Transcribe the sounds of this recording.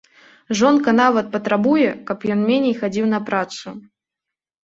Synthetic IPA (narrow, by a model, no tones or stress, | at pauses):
ʐɔnkɐn̪avɐt̪̚pɐt̪ɾabujɛkɐpjɔnmʲenʲɛjxad͡zʲiwnɐpɾat̪su